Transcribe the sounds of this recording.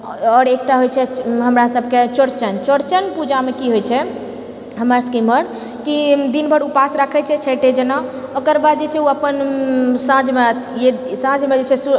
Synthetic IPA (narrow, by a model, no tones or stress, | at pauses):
ɔːɾek̚ʈaɦojt͡ʃʰɛɦəmɾasəbʱket͡ʃoɽt͡ʃənt͡ʃoɽt͡ʃənpud͡ʒamekiɦojt͡ʃʰɛ | ɦəməɾskiməɾ | kid̪inbʱəɽupasɾəkʰɛt͡ʃʰɛt͡ʃʰəʈed͡ʒənaokəɾbad̪̚d͡ʒet͡ʃʰɛuəpənsãd͡ʒmet̪ʰjesãd͡ʒʱmed͡ʒet͡ʃʰɛsu